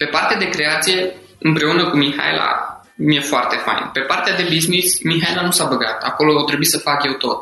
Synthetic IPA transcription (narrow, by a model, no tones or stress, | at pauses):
pe̞part̪ead̪e̞kɾe̞at̪sije̞ | ɨmpɾe̞unəkumiha̰jlʔa̰ | mije̞foart̪e̞fa̰j̰npe̞part̪ead̪e̞biznismiɦajlanusabəɡat̪a̰ko̞lo̞at̪ɾebuisəfakje̞wt̪o̞t̪